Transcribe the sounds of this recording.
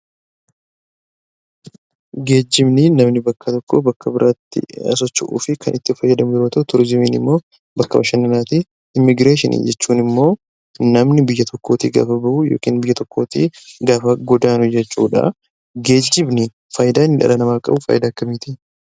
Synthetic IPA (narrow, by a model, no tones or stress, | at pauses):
ɡe̞ːd͡ʒːɪbnɪnɐmnɪbɐkːɐt̪ɔkːobɐkʰːɐbɪɾʔaːt̪ːɪ̰ɐ̰s̬ɔt͡ʃːɪʔṵːfɪkʰɐ̰nʔɪt̪ːɪfɐjːɐd̪ɐmʊɪɾoːt̪ɐʔʊt̪ʊɾd͡ʒɪmiːnɪ̰mːo̞ː | bɐkːɐbɐʃɐnːɪnaːt̪i | ɪmːɪɡɾeːʃɪnʔḭd͡ʒɛt͡ʃːuːnɪmːo̞ː | nɐmnɪbɪjːɐt̪ɔkːo̞ːt̪ḭːɡa̰ːfɐbɐʔʊjo̞̰ːkḭːnbɪjːɐt̪ɔkːo̞ːt̪ḭːɡaːfɐɡɔd̪aːnʊd͡ʒɛt͡ʃːuːᶑɐ̰ | ɡe̞ːd͡ʒːɪbnɪ | fɐjɪd̪aːɪnːɪᶑɐ̰lɐnɐmaːkʼɐ̰bʊfɐ̰ːjɪd̪aːkːɐmiːt̪i